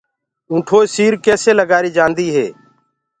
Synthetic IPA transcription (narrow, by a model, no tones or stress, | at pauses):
ũːʈʰoːesiːɾkɛːseːləɡaːɾiːd͡ʒãːnd̪iːɦḛː